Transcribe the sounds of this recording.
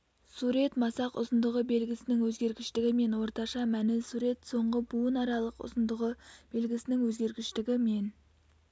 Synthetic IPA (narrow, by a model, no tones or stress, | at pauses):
suɾe̞t̪mɑsɑqʊ̰zənd̪əʁəbe̞lɡʲɪsɪnɪŋwɵzɡʲe̞ɾɡʲɪʃt̪ɪɡʲɪme̞nwo̞ɾt̪ɑʃɑmænɪlsuɾe̞t̪so̞ɴʁəbuənɑɾɑlˠəqʊ̰zənd̪əʁəb̥e̞lɡʲɪsɪnɪŋwɵzɡʲe̞ɾɡʲɪʃt̪ɪɡʲɪme̞n